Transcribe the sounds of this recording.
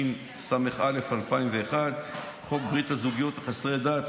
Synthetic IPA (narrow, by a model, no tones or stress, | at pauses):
n | sameχʔale̞falpaimveːχad̪ | χo̞k̚bʁit̪hazuɡijo̞t̪χasʁed̪aːt̪